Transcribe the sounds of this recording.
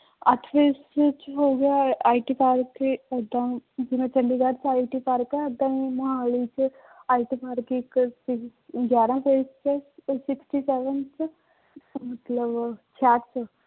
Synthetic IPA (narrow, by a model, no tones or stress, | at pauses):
ət̪ʰfest͡ʃɦoːɡjaaːiʈiːpaːɾkeəd̪ãːd͡ʒɪmẽːt͡ʃə̃ɳɖiːd̪aːɾt͡ʃaːiʈiːpaːɾkɛəd̪ãːiməɦaːlit͡ʃ | aːiʈiːpʰaːɾkeɪksɪɡjaːɾãːpʰeːst͡ʃɛsɪksʈiːsɛːʋənt͡ʃ | mət̪ləbt͡ʃʰaːt͡ʃ